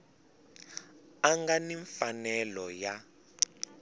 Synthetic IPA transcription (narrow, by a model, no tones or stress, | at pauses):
aŋɡaniɱfanɛlɔja